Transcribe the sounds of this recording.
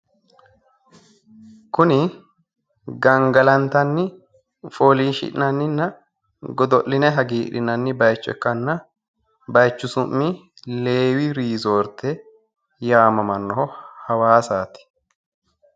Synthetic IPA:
kʊnɪ | ɡɐŋɡɐlɐnt̪ɐnːɪ | foːliːʃɪ̰ʔnɐnːɪnːɐ | ɡɔd̪ɔʔːɪnɛɦɐɡiːᶑɪnɐnːɪbɐjt͡ʃːʊɛ̰kːɐnːɐ | bɐjt͡ʃːʊsʊmːi | leːwiɾiːzoːɾt̪ɛ | jaːmɐmɐnːɔhɔhɐwaːsaːt̪ɪ̥

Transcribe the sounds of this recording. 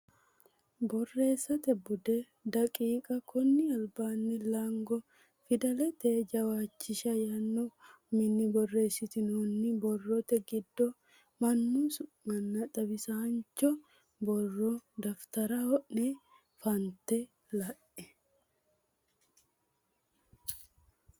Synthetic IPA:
bɔrːe̞ːsːɐt̪ɛbʊd̪ɛ | d̪ɐkʼiːkʼɐkʰɔnːɪɐlbaːnːɪlaŋɡɔ | fɪd̪ɐlɛt̪eːd͡ʒɐwaːt͡ʃːɪʃɐjɐnːɔ | mɪnːɪbɔrːe̞ːsɪt̪ɪnoːnːɪbɔrːɔt̪ɛɡɪd̪ːɔ | mɐnːusʊ | mɐnːɐt̪ʼɐbɪsaːnt͡ʃːɔ | bɔrːɔd̪ɐft̪ɐɾɐhɔʔnɛ | fɐnt̪ɛ | lɐʔɛ

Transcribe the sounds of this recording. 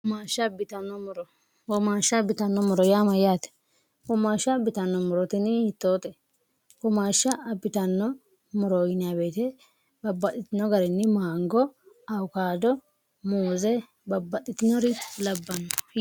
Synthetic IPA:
maːʃːɐbɪt̪ɐnːɔmʊɾɔ | wɔmaːʃːɐbɪt̪ɐnːɔmɔɾɔjaːmɐjaːt̪ɛ̥ | kɔmaːʃːɐbɪt̪ɐnːɔmɔɾɔt̪ɪnɪhɪt̪ːoːt̪ɛ | kɔmaːʃːɐɐbɪt̪ɐnːɔ | mɔɾɔɡɪnɪjabeːt̪ɛ | bɐbːɐtːɪt̪ɪnɔɡɐɾɛnːɪmaːŋɡɔ | ɐwkaːd̪ɔ | moːzɛ | bɐbːɐt̪ʼːɪt̪ɪnɔɾɪlɐbːɐnːɔ

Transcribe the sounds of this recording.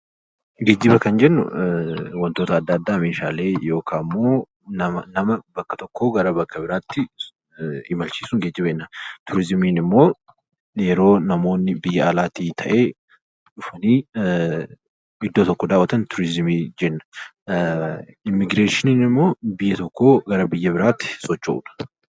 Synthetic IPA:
ɡeːd͡ʒːɪbɐkɐnd͡ʒɛnːʊ̰wɐnt̪o̞ːt̪ɐːd̪ːɐːd̪ːaːmeːʃaːle̞ːjo̞ːkʰaːmːo̞ː | nɐmɐnɐmɐbɐkːɐ̥t̪ɔkːo̞ːɡɐɾɐbɐkʰːɐbɪɾaːt̪ːɪ | ɪmɐlt͡ʃiːsʊŋɡed͡ʒːɪbɐɛnːɐt̪ʊɾɪzmiːnɪmːo̞ː | jɛɾo̞ːnɐmo̞ːnːɪbɪjːɐɐlaːt̪iːt̪ʰɐʔe̞ː | ᶑʊfɐniː | ɪd̪ːoːt̪ɔkːɔd̪aːwːɐt̪ɐnt̪ʊɾɪzɪmiːd͡ʒɛnːɐ̥ | ɪmːɪɡɾeːʃɪniːnɪmːo̞ːbɪjːɛt̪ɔkːo̞ːɡɐɾɐbɪjːɐbɪɾaːt̪ːɪ̥sɔt͡ʃːɐ̰ʔʊ̰ᶑɐ̥

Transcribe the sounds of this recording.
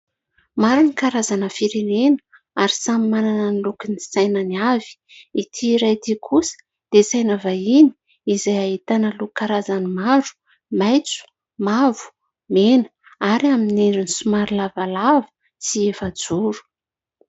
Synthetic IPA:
maɾunikaɾazanəfiɾenenə | aɾisamimananənilukinisajnəniavi̥ | it̪ʰiːɾajd̪ikʰusə̥ | d̪̥esajnavaini̥ | izajaɦit̪anəlukaɾazanimaɾu̥ | majt͡su̥ | mavu̥ | menə̥ | aɾiaminenɾinisumaɾilavalavə̥ | siefad͡zuɾu̥

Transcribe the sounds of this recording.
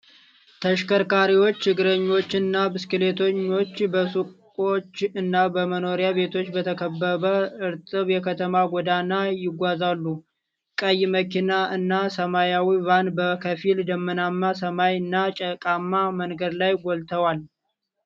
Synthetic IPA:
t̪ʰəʃkʰəɾkaɾiwo̞t͡ʃːɨɡɨɾəɲːo̞t͡ʃːɨnːabɨskɨle̞t̪ʰoɲːo̞t͡ʃːbəsukʼo̞t͡ʃːɨnːabəməno̞ɾjabe̞t̪ʰo̞t͡ʃːbət̪ʰəkʰəbːəβəɨɾt̪ʼɨβjɛkʰət̪ʰəmaɡʷɔd̪anajɪɡʷazalːu | kʼəjməkinaɨnːasəmajawivanbəkʰəfild̪əmːɨnamːasəmajɨnːat͡ʃʼəkʼamːamənɡəd̪lajɡʷɔlt̪ʰəwal

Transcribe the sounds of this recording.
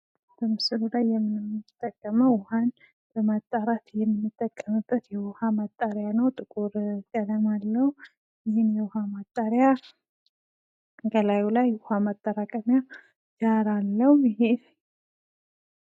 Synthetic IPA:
b̥əmɨsɨlulajːɛmːɨnɨmɨt̪ʼːəkʼːəməwʊhan | b̥əmat̪ʼːaɾat̪jɛmːɨnːɨt̪ʼːəkʼːəmɨbːət̪jɛwʊhamat̪ʼːaɾjanəwt̪ʼɨkʼuɾkʼːəd̪əmalːəhu | ɪhɪnjɛwʊhamat̪ʼːaɾja | ɡəlajulajʊhamat̪ʼːaɾakʼəmja | d͡ʒaɾalːəhjɪɦe

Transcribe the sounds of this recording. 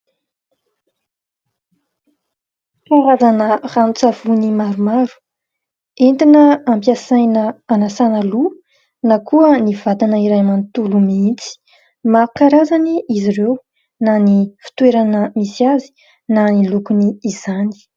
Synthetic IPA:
faɾazanəranut͡sav̥unimaɾumaɾu̥ | ent̪inəampjasajnəanasanəlu | nakʰuəniv̥ad̪anəiɾajmant̪ulumiint͡si̥ | makaɾazaniiziɾew | nanifi̥t̪weɾanəmisiazi̥ | nanilukuniːz̥ani̥

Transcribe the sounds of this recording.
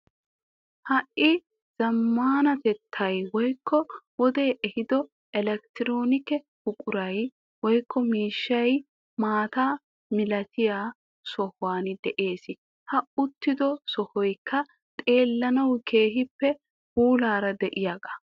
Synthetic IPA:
hɐʔɪ | z̥ɐmːaːnɐt̪ɛt̪ʰːɐjwɔjkʰːɔwɔd̪e̞ːʔɛhɪd̪ɔ | ʔɛlɛk̚t̪ɪɾoːnɪkɛ | hʊkʼʊɾɐj | wɔjkʰːɔmiːʃːɐj | maːt̪aː | mɪlɐt̪ɪjaː | sɔhwaːnɪd̪ɛʔe̞ːsɪ | hɐʊt̪ːɪd̪ɔsɔhɔjkːɐ | t̪ʼe̞ːlːɐnɐwkʰe̞ːɦɪpːɛ | huːlaːɾɐd̪ɛʔɪjaːɡɐ

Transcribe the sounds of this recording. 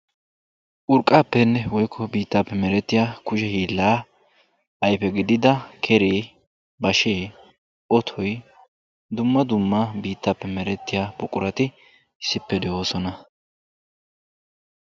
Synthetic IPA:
ʔʊɾkʼːaːpːɛnːɛwɔjkʰːɔbiːt̪ːaːpːɛmɛɾɛt̪ːɪjaːkʊʃɛhiːlːaː | ɐjpɛɡɪd̪ɪd̪ɐkʰɛɾeː | bɐʃeː | ʔɔt̪ʰɔj | d̪ʊmːɐd̪ʊmːɐbiːt̪ːaːpːɛmɛɾɛt̪ːɪjaːbʊkʼʊɾɐt̪ɪ | ɪsːɪpːɛd̪ɛʔo̞ːsɔnɐ

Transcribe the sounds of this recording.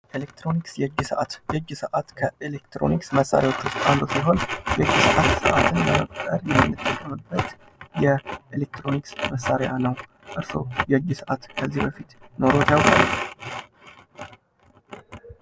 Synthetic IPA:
ʔelek̚t̪ɾo̞niksjɛɨd͡ʒːɪsəʔat̪jɛd͡ʒːɪsəʔat̪kʰəelekt̪ɾo̞̰niksməsːa̰ɾjawo̞t͡ʃːʊst̪ʼand̪osiɦo̞njɛd͡ʒːɪsəʔat̪səʔat̪ʰɨnləməkʼk̪ʼəɾjɛmːɨnːɨt̪ʼːəkʼːəmɨbːət̪ | jɛʔelek̚t̪ɾo̞niksməsːaɾejanəw | ʔɨɾso̰jɛɨd͡ʒːɪsəʔat̪kʰəzːihbəfit̪no̞ɾo̞t̪jawkʼalːə

